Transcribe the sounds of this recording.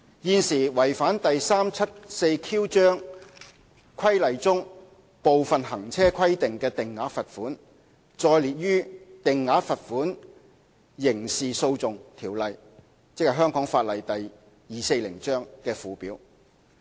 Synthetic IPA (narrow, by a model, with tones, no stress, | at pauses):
jiː˧nsiː˨˩wɐ˨˩jfaː˨˥nt̪ɐ˨jsaː˥mt͡sʰɐ˥t̚se˧jkʰiː˥wt͡ʃœː˥ŋ | kʷʰɐ˥jlɐ˨jt͡sʊ˥ŋ | po˨wfɐ˨nɦɐ˨˩ŋt͡sʰɛː˥kʰɐ˥jt̪ɪ˨ŋkɛː˧t̪ɪ˨ŋːaː˨˥fɐ˨t̚fuː˨˥n | t͡ʃɔː˧jliː˨t̚jyː˥t̪ɪ˨ŋːaː˨˥fɐ˨t̚fuː˨˥n | jɪ˨˩ŋsiː˨so˧wt͡sʊ˨ŋt̪ʰiː˨˩wlɐ˨j | t͡sɪ˥k̚hɐ˨˩ɦœː˥ŋkɔː˨˥ŋfaː˧t̚lɐ˨˩jt̪ɐ˨j | jiː˨se˧jlɪ̰˨˩ŋt͡ʃœː˥ŋkɛː˧fuː˨˧piː˨˥w